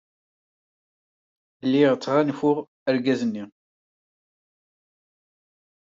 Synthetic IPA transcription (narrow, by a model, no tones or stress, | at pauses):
lːiʁt͡sːʁanfʊʁ | əɾɡæzənːi